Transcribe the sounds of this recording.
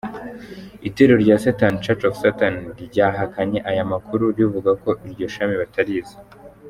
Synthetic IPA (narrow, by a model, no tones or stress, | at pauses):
iteɾoɾɟaːsatant͡ʃat͡ʃofsatanɾɟaːɦakaɲe̞ʔajamakuɾuɾivuɡako̞ʔiɾɟo̞ʃamiβatʰaɾiza